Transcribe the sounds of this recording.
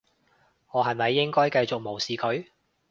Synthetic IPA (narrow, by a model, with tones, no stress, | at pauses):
ŋɔː˨˧ɦɐ˨jmɐ˨jːɪ˥ŋkɔː˥jkɐ˧jt͡sʊ˨k̚mo˨˩wsiː˨kʰɵ˨˥ɥ